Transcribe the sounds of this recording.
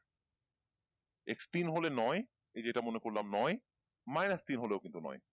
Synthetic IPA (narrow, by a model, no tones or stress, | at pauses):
ḛkst̪inɦolenɔe | ed͡ʑeʈamonekoɾlamnɔe | majnast̪inɦoleokint̪unɔ̰j